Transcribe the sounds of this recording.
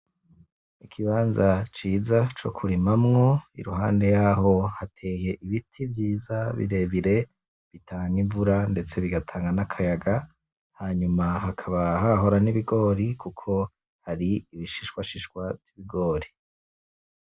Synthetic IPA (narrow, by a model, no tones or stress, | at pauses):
ikʰiβaːnzat͡ʃiːzat͡ʃo̞̰kʰuɾimamŋo̞ḭɾuɦaːnde̞jaɦo̞hatʰe̞ːje̞ʔiβitʰivjiːzaβḭɾe̞βiɾe̞ | βitʰaːŋiɱvuɾande̞t͡se̞βiɡatʰaːŋɡanakʰajaɡa | haːɲumaɦakʰaβaɦaɦo̞ɾaniβiɡo̞ːɾikukʰo̞ | haɾiiβiʃiʃkwaʃiʃwavjiβiɡo̞ːɾi